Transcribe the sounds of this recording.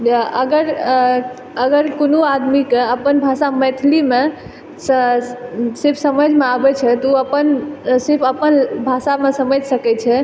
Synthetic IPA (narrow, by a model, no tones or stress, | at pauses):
əɡəɾ | əɡəɾkonuad̪mikeəpənbʱasamɛt̪ʰlime | s | sɪɾpʰsəməd͡ʒʱmeabɛt͡ʃʰɛt̪ɔuəpənsɪɾpʰəpənbʱasamesəməd͡ʒʱsəkɛt͡ʃʰɛ